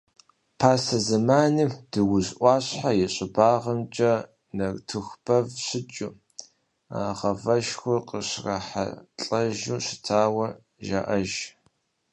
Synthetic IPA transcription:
pʰaːsɐzɐmaːniːd̥ɨwʊzʔʷɑːɕħajɪɕʼɪbaːʁɐmt͡ʃʼɐ | nɐrtʰɨxʷbʰɐvɕɪt͡ʃʼu | a̰ːʁɐvɐʃxʷʊrqəɕrɐ̰ħa̰ɬʼɐʒuːɕɪ̥tʰaːwɐ | ʒa̰ːʔɐʒ

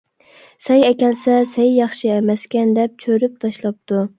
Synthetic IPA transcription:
sɛjɛkʲɛlsɛsɛjːɑχʃiɛmɛskʲɛnd̪ɛp̚t͡ʃʰøɾyp̚t̪ʰɑʃlˠɑp̚t̪u

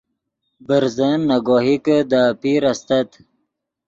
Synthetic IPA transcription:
bəɾzənːaɡɔːɦikəd̪apiɾast̪at̪

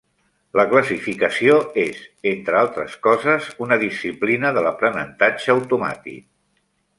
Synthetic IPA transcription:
ləkləsifikəsioezent̪ɾəalˠt̪ɾəskɔzəzunəðisiplinəðələpɾənə̰nt̪ad͡ʒəəwt̪uma̰t̪ḭk̚

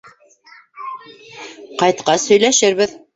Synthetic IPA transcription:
qɑjt̪qɑshɵ̆jlæʃɘɾβɘð

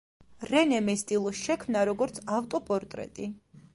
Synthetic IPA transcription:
ɾɛnɛmɛst̪ʼilˠʃɛkʰmnaɾɔɡɔɾt̪sʰaft̪ʼɔpʼɔɾt̪ʼɾɛ̰t̪ʼi

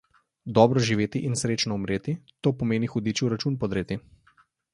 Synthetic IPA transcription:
d̪ɔːbɾɔʒiʋeːt̪iʔinsɾeːt͡ʃnɔumɾeːt̪it̪oːpɔmeːnixɔd̪iːt͡ʃiuɾat͡ʃuːnpɔd̪ɾeːt̪i

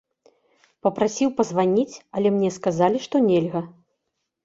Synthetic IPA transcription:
pɐpɾasʲiwpɐzvanʲit͡sʲɐlʲɛmnʲɛskazalʲiʂt̪ɔnʲɛlʲɣɐ

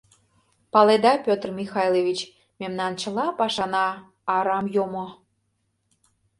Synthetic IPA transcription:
pɑled̪ɑpʲøt̪rmʲixɑjlˠeβʲit͡ɕ | memnɑnt͡ɕəlɑpɑʃɑnɑː | ɾɑmjomo

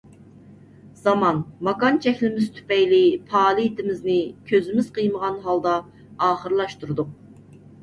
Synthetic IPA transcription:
z̥ɑmɑnmɑkɑnt͡ʃʰɛkʲlɪmɪz̥t̪ʰy̥pɛjlipʰɑːlˠɨit̪ʰɪmɪznɪkʲʰøzymɪz̥qʰəjməʁɑnɦɑlˠd̪ɑ | ɑːχəɾlˠɑʃt̪uɾud̪uq̚

